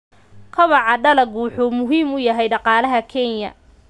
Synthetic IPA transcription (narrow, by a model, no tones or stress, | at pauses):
kʰɐβɑʕɑɖɐlɐɡħuːmʊɦiːmʊjɐɦɛjɖɑqɑːlɐɦɐkʰɛnjɐ̰